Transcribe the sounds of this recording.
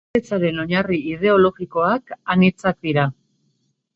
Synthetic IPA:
et͡saɾe̞no̞ɲariið̞e̞o̞lo̞ɣiko̞akanit͡sak̚d̪iɾa

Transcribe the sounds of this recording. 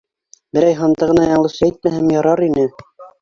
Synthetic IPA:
bɘ̆ɾæjɦɑnt̪ɤʁɤ̆nɑjɑɴlˠɤ̆ʃæit̪̚mæɦæmjɑɾɑɾinɘ

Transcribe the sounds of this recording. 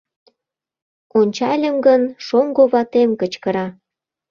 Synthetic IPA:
onʲt͡ɕɑlʲəmɡənʃoŋɡoβɑt̪emkət͡ɕkəɾɑ

